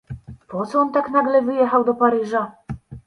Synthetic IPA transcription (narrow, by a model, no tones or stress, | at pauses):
pɔt̪sɔɔnt̪aknaɡlɛvɘjɛxawd̪ɔpaɾɘʐa